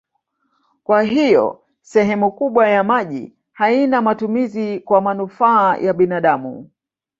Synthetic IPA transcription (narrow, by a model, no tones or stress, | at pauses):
kwaɦijɔ̰ | sɛɦɛmukuɓwajamaʄḭ | hainamatumizikwamanufaːjʔaɓinaɗamṵ